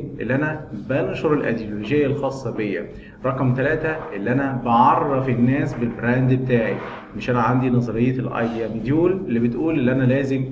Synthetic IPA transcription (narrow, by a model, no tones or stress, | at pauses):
ʔḛlːiʔænæbɑnʃoɾˤelʔæ̰d̪jolod͡ʒejːælxɑːsˤːɑbejːæ̰ | ɾˤɑqɑmt̪ælæːt̪æʔelːiʔænæbɑʕɑrˤːɑfenːæːsbelbɾæːnd̪bet̪aːʕḭ | meʃʔænæʕand̪inɑzˤɑɾejːet̪elʔɑ̰jd̪iæmid̪juːlelːibet̪ʔuːlʔelːiʔænælæːzem